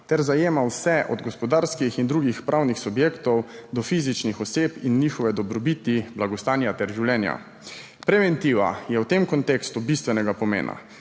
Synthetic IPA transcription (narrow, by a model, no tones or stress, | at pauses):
t̪ɛɾzajeːmawsɛʔɔ̰d̪ɡɔspɔd̪aːɾskixind̪ɾuːɡixpɾʔawnixsubjeːkt̪ɔwd̪ɔfiːzit͡ʃnixɔseːpinːiːxɔʋɛd̪ɔbɾɔbiːt̪iblaɡɔst̪aːnjat̪ɛɾʒiwlʲjɛːnja̰ | pɾɛʋɛnt̪iʋa̰jɛwt̪emkɔnt̪eːkst̪ubist̪ʋɛnɛɡapɔmḛːnʔa̰